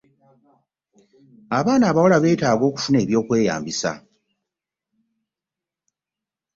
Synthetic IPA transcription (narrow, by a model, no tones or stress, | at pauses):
aβaːnaːβawolaβe̞ːtaːɡo̞ːku̥fune̞ːβjo̞ːkwe̞ːja̰ːmbisa̰